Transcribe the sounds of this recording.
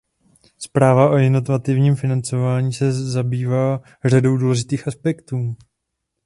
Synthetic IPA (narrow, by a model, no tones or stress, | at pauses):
spɾaːvaʔojɛnot̪vat̪ɪvɲiːmfɪnant͡so̞vaːɲiːsɛzabiːvaː | r̝ado̞wduːlɛʒɪt̪iːxaspɛkt̪uː